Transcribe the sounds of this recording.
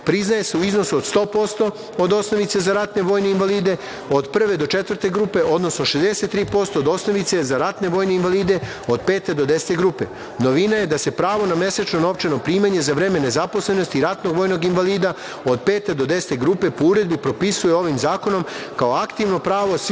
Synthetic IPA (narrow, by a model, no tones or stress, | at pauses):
pɾiznaje̞se̞uizno̞suod̪st̪o̞ːpo̞st̪o̞ | od̪o̞sno̞ʋit̪se̞zaɾat̪ne̞ʋo̞ːjneinʋaliːd̪e̞ | o̞d̪pr̩ʋe̞d̪o̞t͡ʃet̪ʋər̩t̪e̞ɡɾuːpe̞ʔo̞d̪no̞snoʃe̞zd̪ese̞t̪ːɾiːpo̞st̪o̞ːd̪o̞sno̞ʋit̪se̞zaɾat̪ne̞ʋo̞ːjne̞inʋaliːd̪e̞ | od̪pe̞ːt̪e̞d̪o̞d̪ese̥t̪e̞ɡɾuːpe̞̰ | no̞ʋinaje̞d̪ase̞pɾaːʋo̞namje̞set͡ʃno̞no̞ʋt͡ʃeno̞pɾiːmaɲe̞zaʋɾe̞ːme̞ne̞zapo̞sle̞no̞st̪iɾat̪no̞ɡʋo̞ːjno̞ɡinʋaliːd̪a | od̪̚peːt̪e̞d̪o̞d̪e̞se̥t̪e̞ɡɾuːpe̞pouɾe̞d̪bipɾo̞pisujeo̞ʋimzaːko̞no̞mkaoakt̪iʋno̞pɾaːʋo̞s